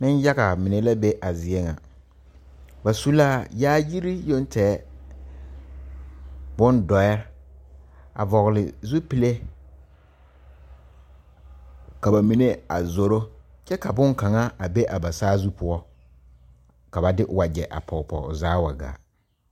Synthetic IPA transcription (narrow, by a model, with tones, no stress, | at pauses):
nɪ˦n˦ja˦ɣa˨mɪ˨ne˨la˦be˦ʔa˨zɪ˨ɛ˦ŋa̰˨ | ba˨su˦laː˦˨jaː˦ji˦ɾi˦jo˦n˦tɛː˨˦ | bʊ˦ndɔ˨jɛ˦ɾ | a̰˨vɔ˨ɣlɪ˨zu˦pi˨le˦ | ka˨ba˨mi˨ne˦a̰˨zo˨ɾo˦ | t͡ʃɛ˦ka˨bʊ˦ŋka˨ŋa˦a˨be˦ʔa˨ba˨saː˦zu˦pʊ˦ɔ˦ | ka˨ba˨dɪ˦ʔwa˨d͡ʒɛ˨ʔa̰˨pʰɔ˨pɔ̰˨zaː˦wa˨ɡa̰ː˨